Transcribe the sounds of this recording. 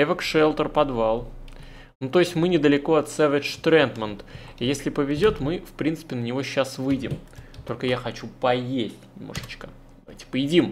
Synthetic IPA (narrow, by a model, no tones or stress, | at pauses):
ɛvʲəkʂɛlˠt̪ərpɐd̪valˠ | nut̪o̞ɪsʲtʲmɨnʲɪd̪əlʲɪko̞ɐt̪sɛvʲɪt͡ʃt̪ɾɛnt̪mənt̪ijesʲlʲɪpəvʲɪzʲo̞t̪mɨfpɾʲint̪sɨ̥pʲɪnənʲɪvo̞ɕːasvɨjdʲɪ̰mt̪o̞lʲkəjaxɐt͡ɕupɐjesʲtʲnʲɪmno̰ʐət͡ɕkəd̪ɐvajtʲɪ̥pəɪdʲim